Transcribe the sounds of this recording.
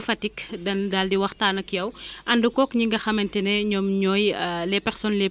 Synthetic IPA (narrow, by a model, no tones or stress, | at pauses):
fɐtikdɐndaːldiwɐxtaːnɐkjɐwʔɐndukɔːkɲiŋɡɐxɐmɐntɛnɛɲɔːmɲɔːjlɛpɛɾsɔnlɛ